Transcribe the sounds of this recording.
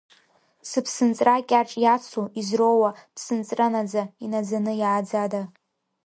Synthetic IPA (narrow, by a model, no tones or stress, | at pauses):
sɨpʰsɨnt͡sʼrakʲʼaʈ͡ʂʼjat͡sʰuizrowapʰsɨnt͡sʼranad͡zainad͡zanɨjʕad͡zada